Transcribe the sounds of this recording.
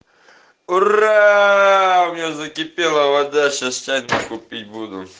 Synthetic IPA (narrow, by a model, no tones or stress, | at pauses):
ʊra | ʊmʲnʲazəkʲɪpʲelˠəvɐd̪aɕast͡ʃak̪ɐkʊpʲit̚ʲbud̪ʊ̰